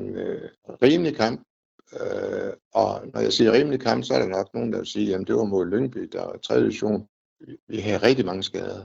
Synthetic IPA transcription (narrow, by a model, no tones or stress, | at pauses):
ʁiːməlikʰɑ̈m̰b̥ | øɒnɒjäɪsiːɐʁiːmlikʰɑ̈m̰b̥sɒ̽æɐɾ̥enɒ̽ɡ̥̚no̝ːn̩d̥ɑ̈ʋe̝lsiːjæmn̩d̥e̝ʋɑ̈mo̝ð̞̰ˠløŋ̚b̥id̥ɑɑt͡sʰʁɛðˠiiɕo̝̰ːn | iʋiɦæðˠʁɛɡ̥̚d̥imɑ̈ŋəsɡ̥ɛ̰ːð̞ˠɐ